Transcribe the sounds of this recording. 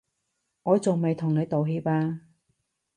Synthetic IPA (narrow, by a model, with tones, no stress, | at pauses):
ŋɔː˨˧t͡sʊ˨wme˨jt̪ʰʊ˨ŋne˨˧t̪o˨wɦi˧˥paː˧